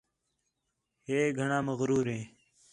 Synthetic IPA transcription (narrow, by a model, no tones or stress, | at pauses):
heːɡʱəɳãːməɣɾuːɾẽː